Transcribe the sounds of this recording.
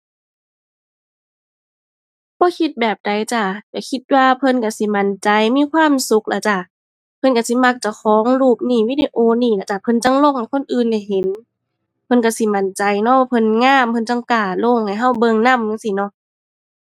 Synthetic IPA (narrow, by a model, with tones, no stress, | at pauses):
b̥ɔː˧˦kʰi˧t̪̚bɛː˨˩p̚da˨jt͡ɕa˧˩ka˧˩kʰi˧˦t̪̚waː˧pʰɤ˧˨nka˧˩si˧˦ma˧˥˨nt͡ɕa˧jmiː˧˥˨kʰwaː˧˥˨msu˧˦k̚la˧˩t͡ɕa˧˩ | pʰɤ˧˨nka˧˩si˧˦ma˧k̚t͡ɕa˧˩kʰɔː˨˦ŋluː˧˩p̚niː˧˩wiː˧˨de˧ʔoː˧niː˧˩la˧˩t͡ɕa˧˩pʰɤ˧˨nt͡ɕa˧˨ŋlo˧˨ŋha˨˩jkʰo˧˥˨nʔɯː˨nda˧˩jɦe˨˦n | pʰɤ˧˨nka˧˩si˧˦ma˧˩nt͡ɕa˨˦jnɔ˧˦waː˧pʰɤ˧˨nŋaː˧˥˨mpʰɤ˧˨nt͡ɕa˧˨ŋkaː˧˩lo˧˩˨ŋha˨˩jɦa˧˩wbɤ˧˨ŋna˧˥˨mja˧˨ŋsi˧˩nɔ˧˦